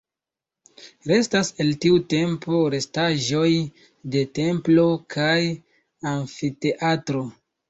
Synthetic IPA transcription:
ɾe̞stase̞ltiute̞mpo̞ɾe̞staʒo̞j | de̞te̞mplo̞kʰaj | aɱfite̞ʔatɾo̞

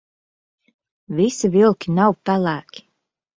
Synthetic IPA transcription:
visivilˠkʲinawpælˠæːkʰʲi̥

